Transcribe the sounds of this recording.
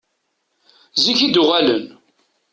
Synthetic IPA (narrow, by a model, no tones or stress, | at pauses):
ziçid̪ʊʁælən